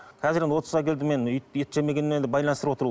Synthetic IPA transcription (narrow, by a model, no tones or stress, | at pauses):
qʲʰæzɪɾenwo̞t̪ɾəzɑkʲʰe̞ld̪ɪmenjet̪ʒeme̞ɡʲe̞nmend̪ebɑjlˠɑnst̪əɾpwo̞t̪əɾu